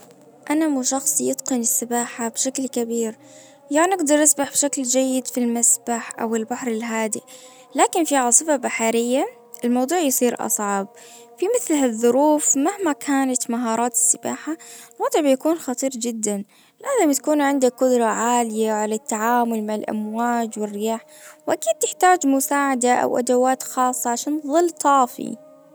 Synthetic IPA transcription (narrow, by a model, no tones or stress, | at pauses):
ʔanamuʃɑxsˤijɪt̪qɨnɪsːɪbaːħabʃaklkabiːɾ | janɪɡd̪ɑɾˤʔasbaħbʃakld͡ʒajːɪd̪filmasbaħʔa̰wɪlbaħɾˤɪlɦaːd̪ɪʔ | laːkɪnfiʕɑːsˤɨfabaħaɾɪjːa | ʔɪlmɑwd̪ˤuːʕjsˤiːɾʔɑ̰sˤʕɑb̚ | fimɪθlɦaðˤːʊɾuːfmahmakʰaːnat̪maɦɑːɾˤɑːt̪ɪ̥sːɪbaːħalwɑd̪ˤɨʕbɪjakuːnxɑt̪ˤiːɾd͡ʒɪd̪ːan | ɪlʔaːðamt̪ḁkuːnʕɪnd̪akʊd̪ɾˤɑʕaːlɪjaʕalat̪ːaʕaːmʊlmaʕalʔa̰mwaːd͡ʒwɪrːɪjaːħ | wʔakiːd̪̚t̪ɪħt̪aːd͡ʒmʊsaːʕad̪aʔa̰wʔa̰d̪awaːt̪xɑːsˤːɑʕaʃaːnðˤɨlːt̪ˤɑːfḭ